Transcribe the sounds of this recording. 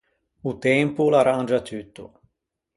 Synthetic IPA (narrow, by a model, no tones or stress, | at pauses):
ut̪ɛmpulaɾand͡ʒat̪yt̪ːṵ